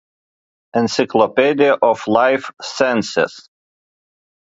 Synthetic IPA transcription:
ɛ̃nsɪkʰlˠɔpɛd̪iəʔɔflaɪfsɛ̃nsɪ̰s

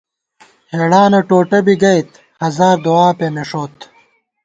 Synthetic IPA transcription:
heːɽaːnɐʈoːʈɐbiɡɐjt̪ | hɐzaːɾd̪oaːpemeʂoːt̪

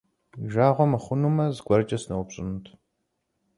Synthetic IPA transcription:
ʒaːʁʷɔmɐχʷʊnumɐzɡʷɐrt͡ʃʼɐsnɐwʊpɕʼɪnuntʰʼ

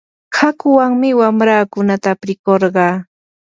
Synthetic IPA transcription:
hakʊwaŋmɪwamɾaːkʊnat̪apɾɪkoɾɢɑː

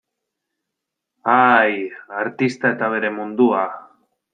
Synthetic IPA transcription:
ajaɾt̪ist̪ae̞t̪aβ̞e̞ɾe̞mund̪ua

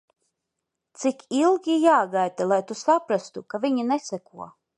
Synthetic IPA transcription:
t̪sikilˠɡʲijaːɡajt̪alˠajt̪usapɾast̪ukavʲiɲinɛsakuɔ

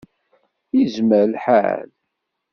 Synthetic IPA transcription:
jəzməɾlħa̰l

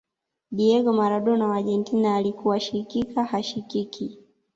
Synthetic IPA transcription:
ɗiɛɡɔmaɾaɗɔnawaʄɛntinaːlikuwaʃikikahaʃikiki

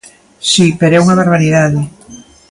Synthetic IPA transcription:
sipeɾoɛuŋɐβeɾβ̞aɾiðaðɪ

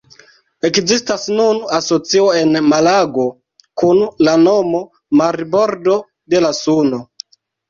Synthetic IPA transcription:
e̞kzistasnunaso̞t͡sioe̞nmalaɡo̞ | kunlano̞mo̞ | maɾbo̞ɾdo̞ | de̞lasuno

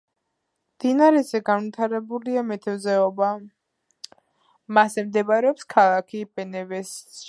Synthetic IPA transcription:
md̪̥inaɾɛzɛɡanvit̪ʰaɾɛbuliamɛt̪ʰɛvzɛɔba | masɛmd̪ɛbaɾɛɔpskʰalˠakʰibɛnɛvɛs

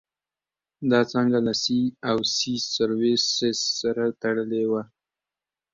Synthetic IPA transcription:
d̪ɑt͡səŋɡalasiawsisaɾwesesːaɾat̪aɽəlewa

